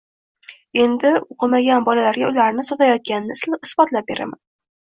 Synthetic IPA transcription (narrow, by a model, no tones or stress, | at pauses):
e̞nd̪ɪoqʰɨmaɡʲanbɒlalaɾɡʲaʊlaɾnɪsɒt̪ʰajɒt̪̚kʲanɪnɪɪsbɒt̪lap̚beɾʔa̰man